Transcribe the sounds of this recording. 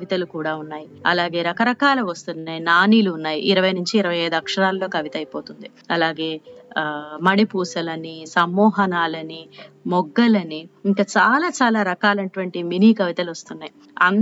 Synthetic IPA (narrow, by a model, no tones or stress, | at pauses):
ʋit̪ɐlukuːɽaːunːaːjiɐ̰laːɡe̞ːɾɐkɐɾɐkaːlɐʋɐst̪unːajinaːniːluːnːaːjḭʔiɾɐʋɐjnuɲt͡ʃiːɾɐʋɐjɐjd̪uɐkʂɐɾaːlɐlo̞ːkɐʋit̪ɐjipoːt̪und̪i | ɐlaːɡe̞ː | mɐɽipuːsɐlɐnisɐmːɔːɦɐnaːlɐnimɔɡːɐlɐniiŋkɐt͡ʃaːlaːt͡ʃaːlaːɾɐkaːlɐɐʈuʋɐɳʈiminiːkɐʋit̪ɐluʋɐst̪unːaːji | ɐ̰n